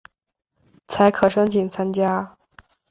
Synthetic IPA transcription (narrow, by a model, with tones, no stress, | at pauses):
t͡sʰa˧˥ɪkʰɤ˨˩ʂɤ˥ŋtʰi˨˩ŋt͡sʰa˥nt͡ɕja˥